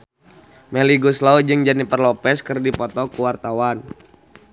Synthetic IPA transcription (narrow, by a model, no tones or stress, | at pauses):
mɛliɡuslaud͡ʒɨŋd͡ʒanipərlɔpɛskɨrdipɔt̪ɔkuwart̪awan